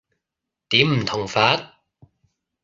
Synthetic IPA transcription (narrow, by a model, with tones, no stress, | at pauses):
t̪iː˨˥mm̩˨˩t̪ʰʊ˨˩ŋfaː˨˥t̚